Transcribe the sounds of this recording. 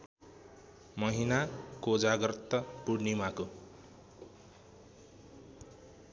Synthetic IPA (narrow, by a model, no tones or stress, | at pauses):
mʌɦinakod͡zaɡʌrt̪ːʌpuɽnimako